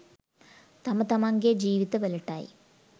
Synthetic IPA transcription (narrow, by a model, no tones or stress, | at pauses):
t̪ɐmɐt̪ːɐmaːŋɡed͡ʑiːʋit̪ːɐʋɐlɐʈːaːj̰